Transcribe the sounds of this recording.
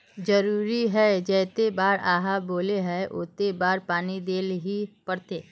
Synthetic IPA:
d͡ʒɐɾuːɾiɦɛd͡ʒɛːt̪ebaːɾaːɦaboːleɦɛʔo̰ːt̪ebaːɾpaːnid̪eːlɦipɐɽt̪eː

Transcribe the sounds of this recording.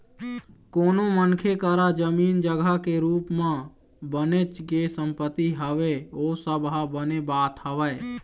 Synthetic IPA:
koːnomənkʰekəɾad͡ʒəmiːnd͡ʒəɡʱakeɾuːpmã | bənet͡ʃkesə̃mpət̪ːiɦəʋeoːsəbɦabənebaːt̪ɦəʋəe

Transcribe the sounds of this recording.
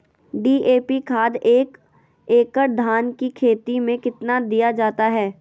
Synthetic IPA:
ɖiːʔeːpikʰaːd̪eːk | eːkəɾd̪ʱaːnkikʰeːt̪imẽkɪt̪nad̪ijad͡ʒaːt̪aɦɛː

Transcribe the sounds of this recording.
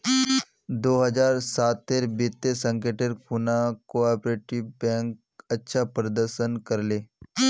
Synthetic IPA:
d̪oːɦɐd͡ʒaːɾsaːt̪ːeːɾbɪt̪ːesə̃ŋkeːʈeɾkuːnakoaːpɾeːʈɪʋbɛ̃ːŋk | ɐtːʃʰapɾəd̪əɾʃənkɐɾleː

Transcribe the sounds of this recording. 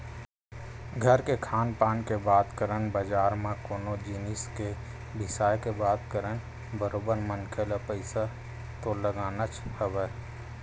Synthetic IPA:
ɡʱəɾkekʰaːnpaːnkebaːt̪kəɾənbəd͡ʒaːɾmãkoːnod͡ʒiːnɪske | bʱɪsaːjkebaːt̪kəɾən | bəɾoːbəɾmənkʰelapəɪsa | t̪oləɡaːnət͡ʃhəʋɛː

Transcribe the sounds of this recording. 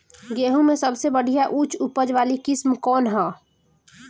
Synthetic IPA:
ɡeːɦũmẽsəbsebəɽ̤ijaʔut͡ʃupəd͡ʒʋaːlikɪsmkɔːnɦɔ̃ː

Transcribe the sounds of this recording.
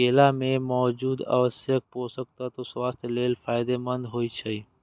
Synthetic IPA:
eːlamẽmɔːd͡ʒuːd̪ə̰ʋəsjək̚poːsək̚t̪at̪oswaːst̪ʰleːlfʰaːɪd̪emənd̪ɦoːit͡ʃʰəiː

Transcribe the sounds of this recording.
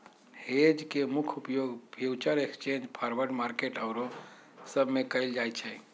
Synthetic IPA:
hed͡ʒkemukʰupjoɡbʱjuwt͡ʃəɾekst͡ʃẽnd͡ʒpʰaɾʋəɾɖmaɾkeʈəwɾo | səbʱmekəjld͡ʒajt͡ʃʰɛ

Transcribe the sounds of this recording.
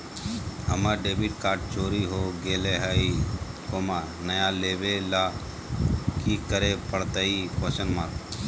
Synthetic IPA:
əmaːɾɖeːbiʈkaːɾʈ̚t͡ʃoːɾiɦoɡeːleɦai | koːmaːɾnəjãːleːʋelaː | kikəɾepəɽt̪aːiposənmaːɾ

